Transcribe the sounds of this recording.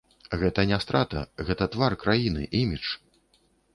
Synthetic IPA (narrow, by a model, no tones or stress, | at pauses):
ɣɛt̪ɐnʲast̪ɾat̪ɐ̰ɣɛt̪ɐt̪varkɾajinɨ̰ʔimʲit͡ʂ